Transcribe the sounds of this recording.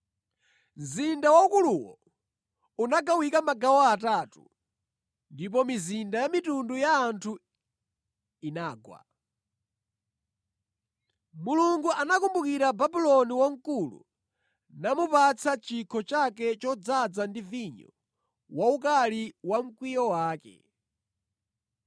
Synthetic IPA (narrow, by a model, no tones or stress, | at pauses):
n̩zindawaukuluwɔ̰ | unaɡawikamaɡawaataːtṵ | ndip̬ɔmizindajamitundujaːntʰu | inaːɡwa̰ | muluŋɡuʔanakumbukiɾababilɔniwaŋ̩kulṵ | namupat͡sʰat͡ʃikʰɔt͡ʃakɛt͡ʃɔd͡zad͡zandiviɲɔ̰ | waukaliwam̩kwijɔwaːkɛ̰